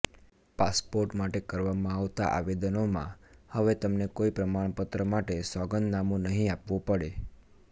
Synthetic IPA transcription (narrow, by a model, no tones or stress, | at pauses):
paspoɾʈmaʈekəɾʋamãaʋt̪aʔa̰ʋed̪ənomã̰həʋet̪əmnekoipɾəmaɳ̃pət̪ɾəmaʈesɔɡənd̪namũnəɦĩapʋũpəɽe